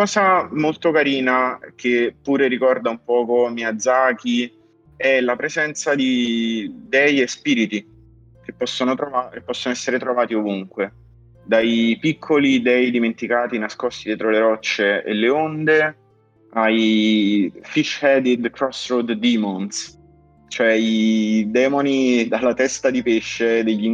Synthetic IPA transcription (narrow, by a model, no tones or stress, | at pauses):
kɔːzamolt̪okaɾiːnak̟epːuːɾeɾikɔrd̪aumpɔːkomiad̪zːaːk̟i | ɛlapɾezɛnt̪sad̪i | d̪ɛjespiːɾit̪i | kepːɔsːonot̪ɾoakepːɔsːonoɛsːeɾet̪ɾovaːt̪iovuŋkwe | d̪ajpikʰːolid̪ɛjd̪iment̪ikaːt̪inaskɔst̪id̪jɛːt̪ɾoleɾɔt͡ʃːeḛlːeond̪e | aj | fiʃːhɛd̪id̪kɾɔsɾod̪d̪iːmɔns | t͡ʃoɛid̪ɛːmonid̪alːat̪ɛst̪ad̪ipeʃːed̪eʎːiŋ